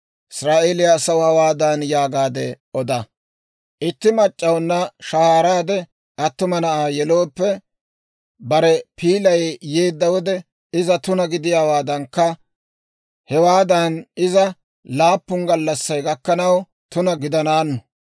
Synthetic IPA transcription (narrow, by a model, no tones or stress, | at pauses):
ʔɪsɾaːʔeːlɪjaːsɐwʊhɐwaːd̪ɐnjaːɡaːd̪ɛʔɔd̪ɐ | ʔɪt̪ːɪmɐt͡ʃʼːɐwnːɐʃɐhaːɾaːd̪ɛ | ʔɐt̪ːʊmɐnɐʔaːjɛlo̞ːpːɛ | bɐɾɛpiːlɐjjeːd̪ːɐwɔd̪ɛ | ɪzɐt̪ʊnɐɡɪd̪ɪjaːwaːd̪ɐŋkːɐ | hɛwaːd̪ɐnɪzɐ | laːpːʊŋɡɐlːɐsːɐjɡɐkːɐnɐw | t̪ʊnɐɡɪd̪ɐnaːnːɔ